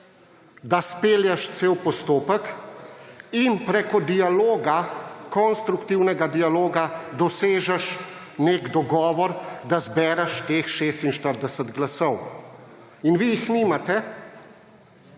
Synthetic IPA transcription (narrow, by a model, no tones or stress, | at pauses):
d̪aspeːljɛʃt̪seːwpɔst̪oːpək | inpɾekɔd̪ialoːɡakɔnst̪ɾukt̪iwnɛɡad̪ialoːɡad̪ɔseːʒɛʃ | neɡd̪ɔɡɔːʋɔɾd̪azbɛːɾɛʃt̪eːxʃeːst̪inʃt̪əɾd̪ɛsəd̪ɡlasɔw | inʋijixniːmat̪ɛ